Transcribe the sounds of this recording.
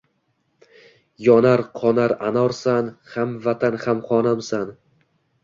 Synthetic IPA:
jɒnaɾqʰɒnaɾanɒɾsanhamvat̪ʰanhamχɒnamsan

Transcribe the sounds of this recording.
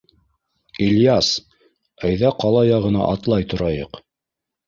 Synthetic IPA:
ilʲjas | æjðæqɑlˠɑjɑʁɤ̆nɑ̰ʔɑt̪lˠɑjt̪ŏɾɑjɤq

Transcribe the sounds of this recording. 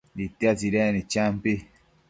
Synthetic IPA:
ditːiatiɾɛnit͡ʃampi

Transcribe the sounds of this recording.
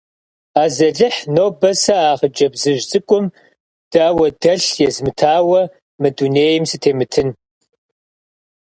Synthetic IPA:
aːzɐɮɨħnoːbɐsɐaːʁəd͡ʒʼɐbzɨʒʼɨkʷʼʊm | d̥aːwɐdɐɬjɛzmɨtʰaːwɐ | mɨduneːjɪmsɨtʰeːmɨtʰɨn

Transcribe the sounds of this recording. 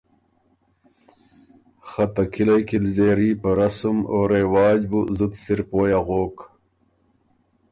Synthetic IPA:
xɐt̪ɐkilɐjkilzeːɾiːpɐɾasumoɾewaːd͡ʑbuzut̪siɾpoːjaɣoːk

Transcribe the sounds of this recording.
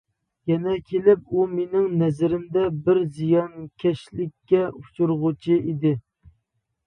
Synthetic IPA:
jɛnɛkʲʰelɪp̚umenɪŋnɛzɪɾɪmd̪ɛbɪɾzijɑnkʲʰɛʃlɪkʲːɛu̥t͡ʃʰuɾʁʊt͡ʃʰiʔid̪ɪ

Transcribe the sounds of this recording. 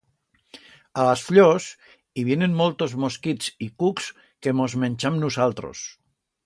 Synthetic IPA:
alasfʎos | iβjenenmolˠt̪ozmoskit͡sikuks | kemozmenʲt͡ʃamnusalˠt̪ɾo̰s

